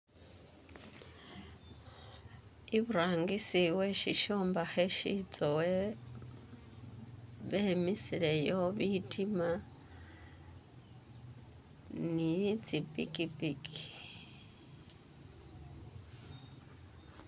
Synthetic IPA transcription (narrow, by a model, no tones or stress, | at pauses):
iβuɾaːŋɡisiweʃiʃoːmbaheʃit͡sowe | βemisiɾejoβitʰima | nit͡sipʼḭkipiki̥